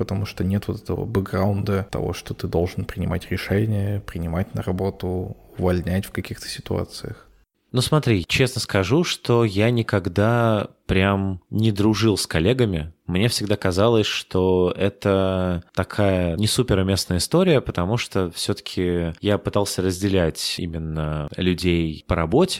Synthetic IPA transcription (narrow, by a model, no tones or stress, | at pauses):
pət̪ɐmuʂt̪onʲet̪vot̪ɛt̪əvə̰bɨɡɾaʊnd̪ət̪ɐ̰vo̞̰ʂt̪ot̪ɨd̪o̞lˠʐɨnpɾʲɪnʲɪmʔatʲɾʲɪʂɛnʲɪjəpɾʲɪnʲɪmatʲnəɾɐbo̞t̪ʊʊvɐlʲnʲætʲfkɐkʲixt̪ə̥sʲɪt̪ʊa̰t̪sɨjəx | nusmɐt̪ɾʲit͡ɕe̞snəskɐʐuʂt̪o̞janʲɪkɐɡd̪apɾʲamnʲɪd̪ɾʊʐɨlˠsʲkɐlʲe̞ɡəmʲɪmnʲefsʲɪɡd̪akɐzalˠəsʲʂt̪ʰoɛt̪ət̪ɐkʰajənʲɪsupʲɪɾʊmʲesnəjəɪst̪o̞ɾʲɪjəpət̪ɐmuʂt̪ofsʲot̪ə̥kʲʰɪjapɨt̪alˠsʲəɾəzʲdʲɪlʲætʲḭmʲɪnːəlʲʉdʲejpəɾɐbo̞tʲɪ̥